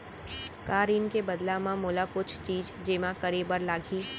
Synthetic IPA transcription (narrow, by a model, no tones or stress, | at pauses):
kaːɾiːnkebɐd̪lamãmʊlakʊt͡ʃʰt͡ʃiːzd͡ʒeːmãkɐɾebəɾlaːɡʱiː